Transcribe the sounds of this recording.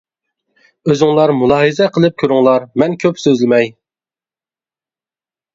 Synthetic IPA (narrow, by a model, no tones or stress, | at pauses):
øzɪŋlˠɑɾmulˠɑːɦizɛqʰəlˠɨp̚kʲʰøɾʊŋlˠɑɾmɛnkʲʰøpsøzlɪmɛj